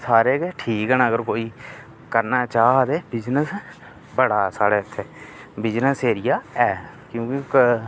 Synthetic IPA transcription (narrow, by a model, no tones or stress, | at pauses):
saːɾeːkeʈʰiːkɦɛnaːəɡəɾkoːiː | kəɾnat͡ʃaːd̪eːbɪd͡ʒnəs | bəɽaːsaːɽeːt̪ʰːeːbɪd͡ʒnəseːɾɪjaːɛː | kjõːkɪk